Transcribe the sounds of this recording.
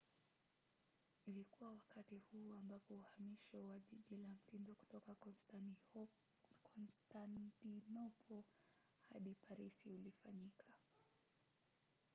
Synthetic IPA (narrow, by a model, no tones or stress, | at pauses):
ilikuwawakatihuːambapɔuhamiʃɔwaʄiʄilam̩tindɔku̥tɔka | kʰɔnstantinɔpɔ | haɗipaɾisiulifaɲikʰa